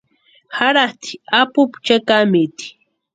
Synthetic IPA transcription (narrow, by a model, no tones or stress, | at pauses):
xaɾaht̪i̥apʊpt͡ʃakamit̪i̥